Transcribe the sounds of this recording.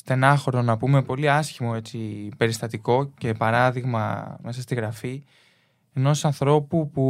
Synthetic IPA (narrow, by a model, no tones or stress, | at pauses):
st̪e̞nɐxo̞ɾonɐpume̞po̞liɐsçimo̞e̞t͡sipe̞ɾist̪ɐt̪iko̞ce̞pɐɾɐðiɣmɐ̰me̞sɐst̪iɣɾɐfi | e̞no̞sɐnθɾo̞pupu